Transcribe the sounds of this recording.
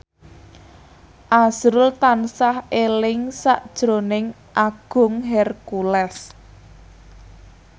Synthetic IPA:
ʔaz̥ɾʊlt̪ansahelɪŋsaʔd̥ʒ̥ɾo̤nɪŋ | ʔaɡ̥ʊ̤ŋɦɛrkulɛs

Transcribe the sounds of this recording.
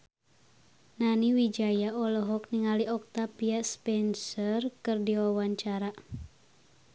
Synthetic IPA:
naniwid͡ʒajaɔlɔɦɔk̚niŋaliɔk̚t̪apiaspɛnsərkɨrdiwawaɲt͡ʃaɾa

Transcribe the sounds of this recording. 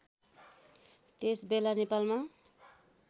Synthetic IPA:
t̪esbelanepalma

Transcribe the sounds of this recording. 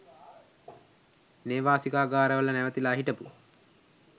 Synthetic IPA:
neːʋaːsikaːɡaːɾəʋələnæʋət̪ilaːɦiʈəpu

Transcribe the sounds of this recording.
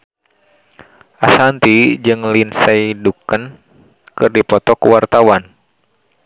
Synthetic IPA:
ʔasant̪id͡ʒɨŋlinsaidukən | kɨrdipɔt̪ɔkuwart̪awan

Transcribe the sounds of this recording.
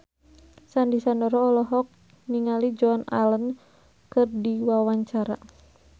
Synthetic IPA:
sandisandɔɾɔːlɔɦɔk̚ | niŋalid͡ʒɔana̰lən | kɨrdiwawaɲt͡ʃaɾa

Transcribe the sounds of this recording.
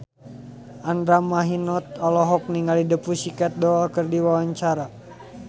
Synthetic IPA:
ʔandɾamaɦinɔt̪̚ɔlɔɦɔk̚niŋɡalidəpusikat̪̚dɔakərdiwawaɲt͡ʃaɾa

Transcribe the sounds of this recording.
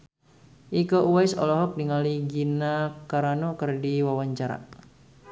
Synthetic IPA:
ʔikoʔuwajsɔ̰lɔɦɔk̚diŋaliɡinakaɾanokərdiwawaɲt͡ʃaɾa̰

